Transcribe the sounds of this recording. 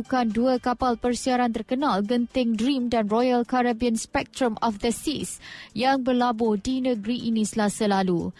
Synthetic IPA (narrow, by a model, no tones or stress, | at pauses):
ukanduəkapalpərsiaɾant̪ərkənalɡənt̪ɪŋdɾimdanrɔjalkaɾabiənspɛk̚t̪ɾəmɔfd̪əsisjaŋbərlabʊhdinə̃ɡɾiʔinĩsəlasalalu